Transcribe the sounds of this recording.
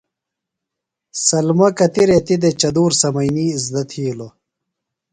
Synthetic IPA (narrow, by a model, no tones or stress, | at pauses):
sɐlmɐkɐt̪iɾet̪id̪et͡ɕɐd̪uːɾsɐmɐjniːizd̪ɐt̪ʰiːlo